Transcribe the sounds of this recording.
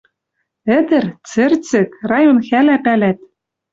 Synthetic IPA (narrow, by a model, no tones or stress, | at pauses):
ɘ̆d̪ɘ̆rt͡sɘ̆rt͡sɘ̆krɑjonxælæpælæt̪